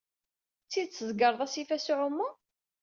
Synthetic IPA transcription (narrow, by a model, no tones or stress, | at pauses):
t͡sːiðt͡sːəzɡəɾˤðˤæsifæsuʕʊmːu